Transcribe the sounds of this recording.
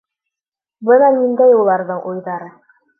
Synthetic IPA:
bɤnɑnind̪æjulˠɑɾðɤɴʔujðɑɾɤ

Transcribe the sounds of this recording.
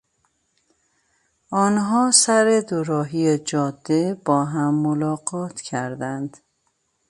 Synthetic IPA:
ɒːnɦɒːsæɾed̪oɾɒːɦijed͡ʒɒːd̪ːeb̥ɒːɦæmːolɒːɡɒːt̪ʰcʰæɾd̪ænd̪̥

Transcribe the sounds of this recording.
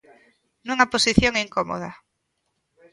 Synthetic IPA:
nũŋaposiθjoŋiŋkomo̰ð̞a

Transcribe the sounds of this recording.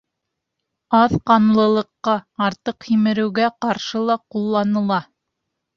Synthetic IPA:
ɑðqɑnlˠɤ̆lˠɤ̆qːɑɑɾt̪ɤqhimɘ̆ɾɘ̆wɡæqɑɾʃɤlˠɑqulˠːɑnɤ̆lˠɑ

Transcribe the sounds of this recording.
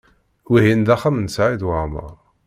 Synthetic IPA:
wiɦind̪æχæmnsʕid̪wəʕmə̰ʁˤ

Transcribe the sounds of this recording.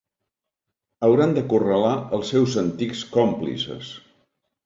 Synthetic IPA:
əwɾand̪əkurəlaəlˠsːɛwzənt̪ikskɔmplḭsə̰s

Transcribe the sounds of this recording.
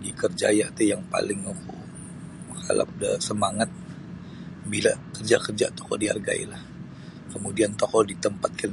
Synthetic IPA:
ɡikərd͡ʒa̰jaʔt̪ɛjaŋpa̰lɪŋukṵ | ha̰la̰p̚də̰səmaŋat̪̚ | bilakərd͡ʒakərd͡ʒa̰t̪ɔ̥kɔ̰dia̰rɡa̰ḭlah | kəmudiant̪ɔkɔdit̪əmpat̪̚kan

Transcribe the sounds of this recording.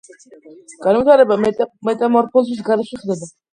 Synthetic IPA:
ɡ̥anvit̪ʰaɾɛbaɛmɛt̪ʼamɔɾpʰɔlsis̬ɡaɾɛʃɛχd̪ɛba

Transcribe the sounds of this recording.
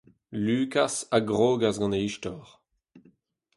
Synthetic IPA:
lyːkasaɡʁoːɡazɡɑ̃neiʃtɔʁ

